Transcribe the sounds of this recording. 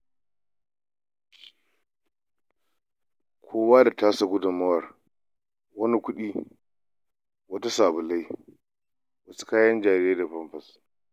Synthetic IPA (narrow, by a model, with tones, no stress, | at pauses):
kʷʰoː˦waː˦da˨taː˦sa˨ɡʷʊ˦dʊ˨mːɐ˦wɐ˨r | wɐ˦ni˦kʷʊ˦ɗiː˦ | wɐ˦ta˦saː˨bʊ˨la˦j | wɐ˦su̥˦kaː˦jɐ˦nd͡ʒaː˨ɾe˦da˨ɸɐ˦mɸɐ˨s